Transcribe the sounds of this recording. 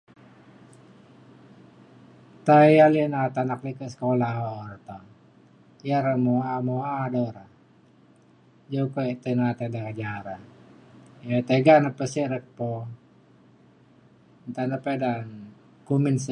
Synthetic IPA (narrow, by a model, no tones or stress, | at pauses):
t̪aialənat̪anak̚likəsə̥kolaɔrt̪ɔ | jaɾəmoamoadoɾa | d͡ʒokot̪ənat̪adaɡad͡ʒaɾa | jat̪eɡanapəsiɾək̚pɔ | nt̪anapedan | kuminsə